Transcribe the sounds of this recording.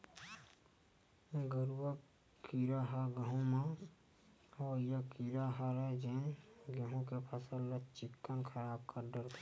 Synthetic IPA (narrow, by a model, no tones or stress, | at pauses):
ɡəɾuwa | kiɾaɦaɡəɦõmã | ɔːjakiɾaɦaɾɛd͡ʒeːnɡəɦõkepʰəsəlːet͡ʃɪkːənkʰəɾaːb̚kəɾɖəɾkʰ